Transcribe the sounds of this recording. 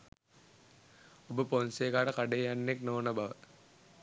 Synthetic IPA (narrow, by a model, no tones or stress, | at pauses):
obəponseːɡaːʈəkaɖejanːeknoːnəbaʋət̪